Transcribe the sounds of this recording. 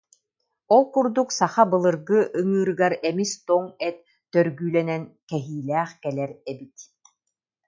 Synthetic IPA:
ɔlˠkuɾd̪uksaχabɯlˠɯɾɡɯʔɯŋɯːɾɯɡaɾɛmist̪ɔŋɛt̪̚ː | œɾɡyːlɛnɛnkɛɦiːlæːχkɛlɛɾɛbit̪

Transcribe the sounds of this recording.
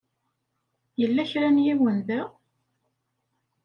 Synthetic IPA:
jəlːæçɾænjiwənd̪ə

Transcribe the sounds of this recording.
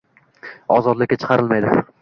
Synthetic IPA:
ɒzɒd̪lɪkʲːat͡ʃʰɨ̥qʰɑɾɪlˠmajd̪ɪ̰

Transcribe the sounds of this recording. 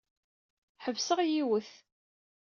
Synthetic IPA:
ħəvsəʁjiwəθ

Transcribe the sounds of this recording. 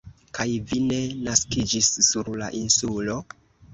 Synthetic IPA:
kajvine̞naskid͡ʒisːuɾla̰ʔinsulo̞

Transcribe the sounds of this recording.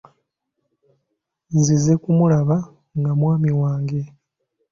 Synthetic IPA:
zizekumulaβa | ŋɡamwaːmiwaːŋɡe̞

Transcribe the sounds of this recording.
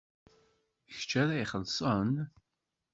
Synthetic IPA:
çt͡ʃːæɾæiχəlːsˤən

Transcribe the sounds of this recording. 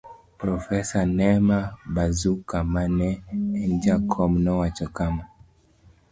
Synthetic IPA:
pɾɔfɛsanɛmabazukamanɛɛnd͡ʒakʰɔmnɔwat͡ʃɔkama

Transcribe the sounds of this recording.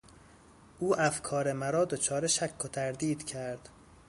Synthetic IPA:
ʔuːʔæfkʰɒːɾemæɾɒːd̪o̞t͡ʃʰɒːɾeʃækʰːot̪ʰæɾd̪iːd̪̥cʰæɾd̪̥

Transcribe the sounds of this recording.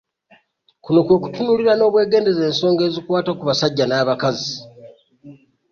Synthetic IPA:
kuno̞kwe̞ːku̥tunuliɾano̞ːβwe̞ːɡe̞ːnde̞ze̞ːnso̞ːŋɡe̞ːzikwaːtakuβasaɟːanaːβakazi

